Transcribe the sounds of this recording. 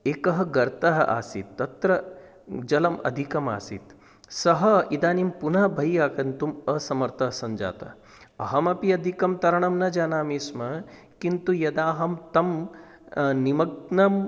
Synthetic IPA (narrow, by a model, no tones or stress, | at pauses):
eːkɐɦɐɡɐɾt̪ɐɦɐ̰ʔa̰ːsit̪ːɐt̪ɾɐ | d͡ʒɐlɐmɐ̰d̪ʱikɐma̰ːsit̪ | sɐɦɐid̪aːnimpunɐbʱɐjaːkɐnt̪umɐsɐmɐɾt̪ɐɦɐsɐɲd͡ʒa̰ːt̪ɐ̰ | ɐ̰ɦɐmɐpiɐd̪ʱikɐmt̪ɐɾɐɳɐmnɐd͡ʒaːnaːmismɐ | kint̪ujɐd̪aːɦɐmt̪ɐm | nimɐɡ̚nɐm